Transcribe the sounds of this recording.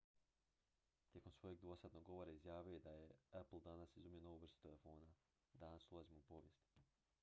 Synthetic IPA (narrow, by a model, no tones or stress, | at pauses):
t̪je̞ko̞msʋo̞jeɡd̪ʋo̞sat̪noɡo̞ʋo̞ːɾaizjaːʋjujojed̪ajeaplˠd̪anasizumjenoʋuʋr̩st̪u̥t̪elefo̞ːna | d̪anasulˠazimoupo̞ʋjest̪i